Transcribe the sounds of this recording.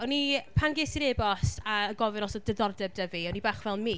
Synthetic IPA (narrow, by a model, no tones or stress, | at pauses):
ɔnipʰanɡɪsiɾebɔsaəɡɔvɨnɔsɔdəðɔrdɛb̚dəviɔnibaːχvɛlˠmiː